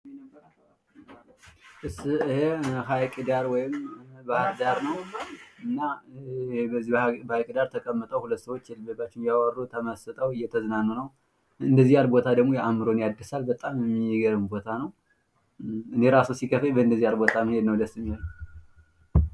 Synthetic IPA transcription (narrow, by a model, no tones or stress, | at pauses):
nːɾ | ʔɨsɨheɦajkʼɨd̪aɾwɔjɪmbahɾd̪aɾnəwɨnːa | bəzːibabajkʼd̪aɾt̪ʰəkʼəmːət̪ʼəwhulət̪ːsəwo̞t͡ʃːjɛlbəbat͡ʃːɪnjawərːut̪ʰəməsɨt̪ʼəwɨjːɛt̪ʰəzɨnanːunəw | ɨnd̪əzːijalbo̞t̪ʰad̪əɡmo̞jɛʔamɨɾo̞njad̪ːəsalbət̪ʼamjɛmːiɡəɾɨmbo̞t̪ʰanəw | ɨne̞ɾasusikʰəfəbəɨnd̪əzːijalbo̞t̪ʰamɨhe̞d̪nəwd̪əsːɨmːihel